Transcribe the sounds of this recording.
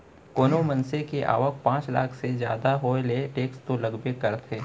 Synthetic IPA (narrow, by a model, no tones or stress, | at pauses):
koːnomɐnsekeʔa̰ːʋək̚pãːt͡ʃla̰ːkʰsed͡ʒja̰ːd̪aɦoːeleʈeːkst̪olɐɡbekɐɾt̪ʰeː